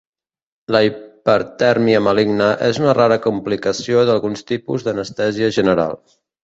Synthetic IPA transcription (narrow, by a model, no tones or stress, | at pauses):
ləipəɾt̪ɛɾmiəməliɡnəʔezunəraɾəkumplikəsioðəlˠɣunst̪ipuzðənəst̪ɛziəʒənəɾa̰lˠ